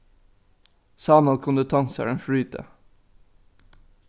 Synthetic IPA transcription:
sɑːmɑlkʰʊnd̪ət̪ʰɑŋsə̰ɹənfɽyːt̪ʰə̰

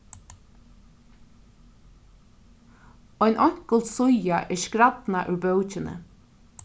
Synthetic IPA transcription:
ɔɪnʔɔŋkəlt̪sʊjɑʔeːʃkɾɑd̪̥nɑʔʉːbœʉc͡çənə̰

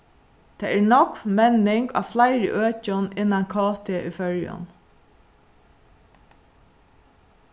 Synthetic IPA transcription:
t̪ʰɛːæɹɳɔkmɛnɪŋka̰ːʋflaɪɾɪ̰ʔøːt͡ʃʊnɪnːaŋkʰɔːt̪ɪʔʏfœɹjʊ̰n

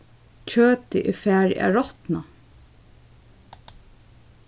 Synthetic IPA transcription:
t͡ʃʰøːt̪ɪʔɪfæːɹa̰ɹɔt̪na

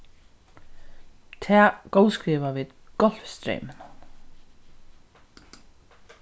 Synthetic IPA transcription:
t̪ʰɛːɡowskɾiːʋaʋiːðɡ̥ɔl̥fst̪ɾḛjmɪna

